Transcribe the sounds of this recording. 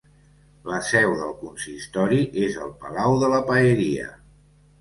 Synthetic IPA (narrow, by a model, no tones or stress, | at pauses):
ləsɛwðəlˠkunsist̪ɔɾiʔezəlˠpəlawðələpəeɾiə̰